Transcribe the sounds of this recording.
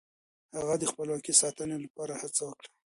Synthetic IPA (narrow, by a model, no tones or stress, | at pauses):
haɣad̪əxpəlwɑkisɑt̪ənelapɑɾahat͡sawəkɽḁ